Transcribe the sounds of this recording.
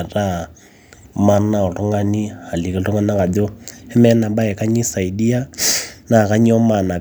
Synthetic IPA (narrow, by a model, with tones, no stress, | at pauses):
ra˦˨ | ma˦na˦ɔ˨lɔ˦ŋa˦ni˦a˨li˨kɛ˨ɬu˦ŋa˦na˦ka˨do˦hɛ˦mɛ˦na˨ɓa˦ɛ˨ka˦ɲi˦sa˨i˨di˦a˦na˨ka˦ɲi˦ɔ˦ma˨na˨